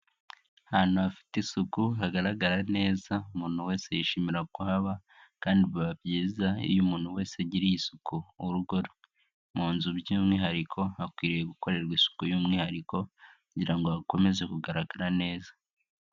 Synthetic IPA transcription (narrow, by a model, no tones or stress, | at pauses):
han̥uafi̥tisukuɦaɡaɾaɡaɾane̞ːzaumuːn̥huwe̞ːse̞jiʃimiɾakuhaβa | kaːndiββabɟiːzaḭjumuːn̥huwe̞ːseaɟiɾijisukuuɾuɡoɾo | muːnzubjuːmŋiːɦaɾikʰo̞hakwiːɾijeɡuko̞ɾe̞ɾɡisu̥kujuːmŋiːhaɾiko̞kuɟiɾaŋɡo̞ako̞me̞ze̞kuɡaɾaɡaɾane̞ːzḁ